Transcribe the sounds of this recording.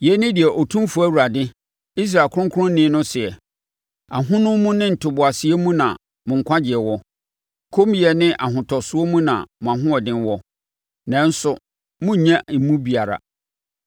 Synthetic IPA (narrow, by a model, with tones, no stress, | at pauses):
jɛ˦nɪ̃˦dɪ˨ɛ˨ʔɔ˨tʰũ˦mfu˨˦æ˦˨wu˨ɾa˨dɪ̃˦ | i˦s̬ɾa˨kʰʊ˦ʊ̃˦ŋ˦kʰʊ˦ʊ̃˦n̩˦nɪ̃˦nʊ̃˦sɪ˨ɛ˨ | a˨ɦʊ̃˦nʊ̃˦mũ˦nɪ̃˦n̩˨tʰʊ˨bʊ˨a˨sɪ˨e˦mũ˦nã̰˨ | mʊ̃˨ŋ̩˨kʷʰã˦d͡ʑɪ˨ɛ˨wɔ˦ | kʰo˦m˦jɛ˨nɪ̃˦ʔa˨ɦʊ̃˨tʰɔ˨sʊ˦o˦mũ˦nã̰˨mʊ̃˨a˨ɦʊ̃˦ɔ˨dɪ̃˦n˦wɔ˦ | nã˦n̩˦sʊ˨ | mʊ̃˦˨ɲã˦m̩˨mũ˦bi˨a˨ɾa̰˨